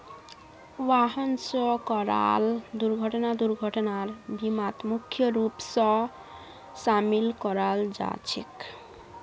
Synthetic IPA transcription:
waɦɔnsɔkɔɾa̰ld̪uɾɡʱɔʈɔnad̪uɾɡʱɔʈɔnaɾbimat̪mukʰːjɔɾupsɔ | samilkɔɾald͡ʒa̰t͡ʃʰḭk

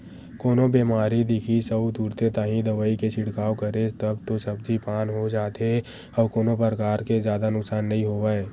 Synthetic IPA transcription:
koːnobeːmaːɾid̪ɪkʰisəbd̪uːɾt̪et̪aːɦĩd̪əʋaːiket͡ʃʰɪɽkaːokəɾet̪əbt̪osɐb̚d͡ʒipaːnɦod͡ʒaːt̪e | ɔːɾkoːnopəɾəkaːɾkezjaːd̪anʊksaːnːɐɦĩɦoːʋaːeː

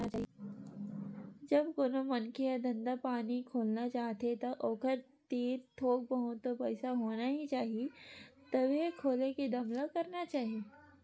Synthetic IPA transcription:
aaː | d͡ʒɐbkoːnomɐnkʰejad̪ɐ̃nd̪apaːnikʰoːlnat͡ʃaːɦt̪et̪ɐʔoːkəɾ | t̪iːɾt̪ʰoːk̚bəɦʊt̪ːopɐɪsaɦoːnaɦit͡ʃaːɦiet̪ɐbekʰoːleked̪ɐmlakɐɾnat͡ʃaːɦie

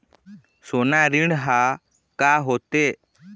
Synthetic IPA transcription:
sɔnaɾiɳɦa | kaɦɔt̪e

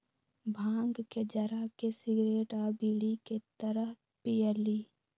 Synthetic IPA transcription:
bʱãːŋɡked͡ʒəɾakesɪɡɾeːʈaːbiliket̪əɾəɦ | pijəliː

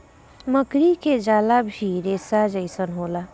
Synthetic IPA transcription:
məkɾiked͡ʒaːlabʱiɾeːsad͡ʒəɪsənɦoːla

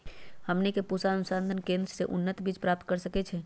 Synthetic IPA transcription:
həmnikepusanusãnd̪ʱənkẽnd̪ɾəseʔunːət̪biːt͡ʃpɾap̚t̪̚kəɾsəkɛt͡ʃʰɛ

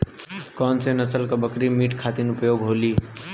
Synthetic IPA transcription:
kɔnsenəsəlkəbəkɾimiʈkʰat̪inupjoɡɦoli

